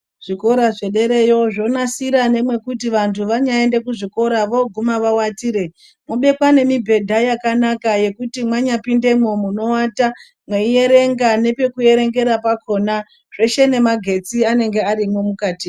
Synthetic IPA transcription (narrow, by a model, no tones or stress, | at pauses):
ʐ̥iko̞ɾaʐe̞ɗe̞ɾe̞jo̞ʐo̞nasiɾane̞mwe̞kutiʋantʰuʋaɲae̞nde̞kuʐiko̞ɾaʋo̞ɡʱumaʋawatiːɾe̞ | mwoɓe̞kwane̞mibʱe̞dʱajakanakaje̞kutimwaɲapinde̞momuno̞wata | mweije̞ɾe̞ŋɡane̞pe̞kue̞ɾe̞ŋɡe̞ɾapako̞na | ʐ̥e̞ʃe̞ne̞maɡʱe̞t͡siane̞ŋɡe̞aɾimo̞mukaːti